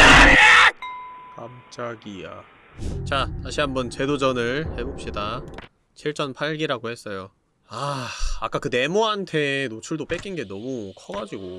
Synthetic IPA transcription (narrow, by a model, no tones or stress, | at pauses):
kamt͡ɕ͈aɡija̰ | t͡ɕatʰaɕʰiɦambʌnt͡ɕe̞dod͡ʑʌnɯɭhe̞bop̚ɕ͈ida | t͡ɕʰiɭt͡ɕ͈ʌnpʰaɭɡiɾaɡohe̞s͈ʌjo | aak͈akɯne̞moɦantʰe̞not͡ɕʰuɭdop͈ek͈inɡe̞nʌmukʰʌɡad͡ʑiɡo